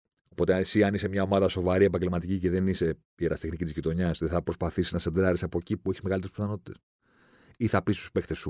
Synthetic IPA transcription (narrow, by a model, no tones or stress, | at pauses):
o̞po̞t̪eesiɐnise̞mɲɐo̞mɐðɐso̞vɐɾie̞p̬ɐɲɟelmɐt̪iciceðe̞nise̞ | ieɾɐst̪ixnicʲit̪zʝit̪o̞ɲɐsðeθɐpɾo̞spɐθisiznɐsed̪ɾɐɾisɐpo̞cipueçi̥zmeɣɐlit̪eɾspiθɐno̞t̪i̥t̪e̞s | iθɐpist̪u̥spe̞kt̪e̞su